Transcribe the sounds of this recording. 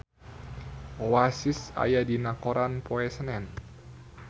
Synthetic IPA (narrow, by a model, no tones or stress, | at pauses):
owasisa̰jadinakoɾʔanpoɛsənɛn